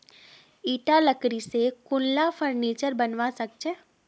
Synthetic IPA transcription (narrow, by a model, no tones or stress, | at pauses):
iːʈaləkɾisekʊnlafʰəɾniːt͡ʃəɾbənʋasək̚t͡ʃʰe